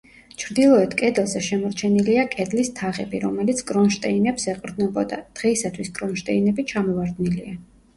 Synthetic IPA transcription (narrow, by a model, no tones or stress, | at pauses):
t͡ʃʰɾd̪ilˠɔɛt̪kʼɛd̪lˠzɛʃɛmɔɾt͡ʃʰɛniliakʼɛd̪list̪ʰaʁɛ̰biɾɔmɛlit̪sʰɡʼɾɔnʃt̪ʼɛinɛpsɛqʼɾd̪nɔbɔd̪a̰d̪̥ʁɛisat̪ʰwisɡɾɔnʃt̪ʼɛinɛbit͡ʃʰamɔvaɾd̪nilia